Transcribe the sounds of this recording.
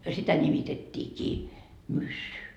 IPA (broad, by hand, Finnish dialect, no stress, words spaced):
sitæ nimitetʲːiːkiː mysːy